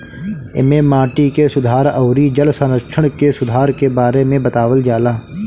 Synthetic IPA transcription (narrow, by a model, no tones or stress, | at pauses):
ɪ̰mẽmaːʈikesʊd̪ʱaːɾəʊɾid͡ʒəlsə̃nəkʃʰəɽ̃kesʊd̪ʱaːɾkebaːɾemẽbət̪aːʋəld͡ʒaːlaː